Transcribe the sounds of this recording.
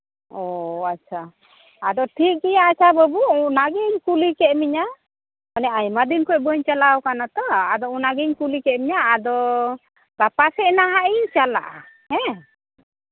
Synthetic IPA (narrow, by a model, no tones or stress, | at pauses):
ɔatːt͡ʃʰaː | d̪ɔʈʰik̚ɡɛjaat͡ʃʰabəbunaɡiɲkulikɛʔmiɲa | ɔnɛʔajmad̪inkɔbəɲt͡ʃalawkanat̪ɔad̪ɔunaɡiɲkulikɛʔmiɲaʔːd̪ɔ | bapasɛʔnaɦaʔiɲt͡ʃala̰ʔa̰ | hɛ̃